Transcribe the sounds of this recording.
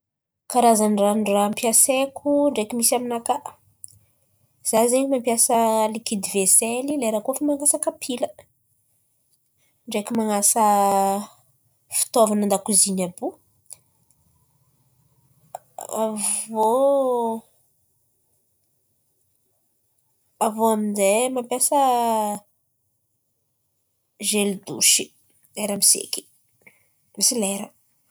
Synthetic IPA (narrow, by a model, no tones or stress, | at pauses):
kaɾazaniranrampjasekʲʰuɳɖ͡ʐekimisaminakaʔ | z̥azeɲimampjasəlikid̪iveselileɾakofamaŋasakapʰilə | ɳɖ͡ʐekumaŋasə | fi̥t̪ovanand̪akuzinabu | avo | avoaminzemampesə | ʒelid̪ṵʃi | eɾamisḛki̥ | misileɾə